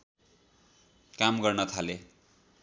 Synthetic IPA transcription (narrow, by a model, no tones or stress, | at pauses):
kamɡʌrnʌt̪ʰale